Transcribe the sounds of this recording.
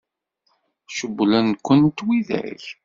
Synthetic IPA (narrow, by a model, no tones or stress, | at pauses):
ʃəbːlænkʷːənt̪wiðæ̰ç